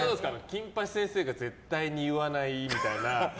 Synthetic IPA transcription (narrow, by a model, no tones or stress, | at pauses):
ad̪oesɨkanokʲĩmpaɕi̥sẽ̞ɰ̃se̞ːɡad͡ze̞t̪ːaiɲ̟iɯ̟βanaimʲit̪aina